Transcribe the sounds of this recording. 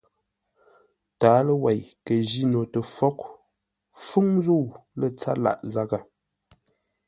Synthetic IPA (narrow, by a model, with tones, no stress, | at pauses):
taː˨˦lə˦wa˨jkə˨d͡ʒi˦no˨tə˨fɔ˦k | fu˦ŋzu˦˨wlə˦t͡sa̰˦la̰˨ʔza˦ɡa˨